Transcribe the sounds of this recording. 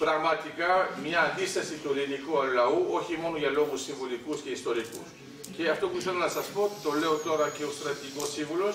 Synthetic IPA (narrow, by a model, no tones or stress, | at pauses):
pɾɐɣmɐt̪ikɐmɲɐːnd̪ist̪ɐsit̪uɾinikuɐlɐuo̞çimo̞noʝɐlo̞ɣusːiɱvulikusce̞ist̪o̞ɾikṵs | ce̞ɐft̪o̞puiθe̞lɐnɐsɐspo̞t̪o̞le̞o̞t̪o̞ɾɐce̞o̞st̪ɾɐt̪iiko̞siɱvulo̞s